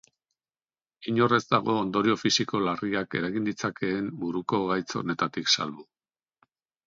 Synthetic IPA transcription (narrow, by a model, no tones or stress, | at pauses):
iɲo̞re̞zd̪aɣ̞o̞ːnd̪o̞ɾio̞fisiko̞lariake̞̰ɾaɣind̪it͡sake̞ːmbuɾuko̞ɣajt͡so̞̰ne̞t̪at̪iksa̰lβu